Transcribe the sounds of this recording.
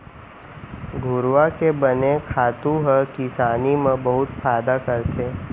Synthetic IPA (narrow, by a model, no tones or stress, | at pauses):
ɡʱʊɾʋakebɐnekʰaːt̪ũɦəkɪsaːnimẽbɐɦʊt̪faːd̪akəɾt̪eː